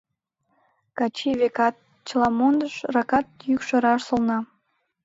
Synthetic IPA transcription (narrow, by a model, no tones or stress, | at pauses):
kɑt͡ɕiβekɑt̪̚ | t͡ɕəlɑmond̪əʃrɑkɑt̪̚jykʃŏɾɑʃsolnɑ